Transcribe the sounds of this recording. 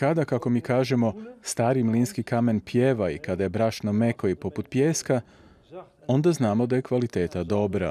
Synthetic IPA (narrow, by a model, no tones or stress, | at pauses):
kad̪akako̞miːkaːʒe̞mo̞st̪aːɾimliːnskikame̞npjeːʋaḭkad̪aje̞bɾaʃnome̞koipo̞put̪̚pjeːska | o̞nd̪aznaːmo̞d̪aje̞kʋalit̪e̞ːt̪ad̪o̞bɾa̰